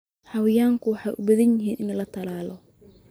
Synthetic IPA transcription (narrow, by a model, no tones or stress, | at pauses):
ħɑwɪjaːŋkʰʊwɑħɑjʔʊbɐðɐnjɪɦiːnɪnɐlɐt̪ʰɐlaːlɔ